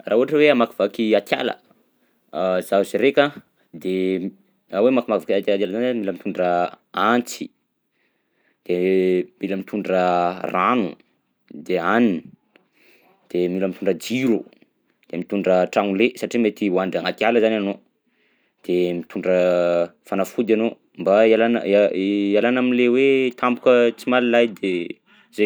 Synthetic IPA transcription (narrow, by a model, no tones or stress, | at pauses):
raːuɦaʈ͡ʂəweamaki̥v̥akiat̪ja̰lə̰ | zaziɾekə | d̪e | awemakimakivakat̪alat̪jalzanizmiləmit̪uɳɖ͡ʐə | ant͡si̥ | d̪̥emiləmit̪ʰuɳɖ͡ʐəranṵ | d̪eanini | d̪̥emiləmit̪uɳɖ͡ʐəd͡ziɾu | d̪̥emit̪uɳɖ͡ʐəʈ͡ʂaŋulesaʈ͡ʂimet̪iwand̪aŋat̪ialəzanano | d̪̥emit̪uɳɖ͡ʐəfanafud̪ano | mbaialan̰aalanamilewet̪ʰambukət͡simalilajd̪e | ze